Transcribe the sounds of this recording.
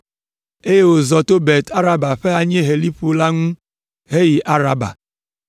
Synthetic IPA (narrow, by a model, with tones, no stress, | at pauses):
e˦je˦wo˨zɔ˨t̪o˦be˨t̪ʰa˦ɾa˦ba˨ɸe˦a˨ɲe˦ɦe˨li˦ɸu˦la˦ŋũ˦ | ɦe˦ji˨ʔa˦ɾa˦ba̰˨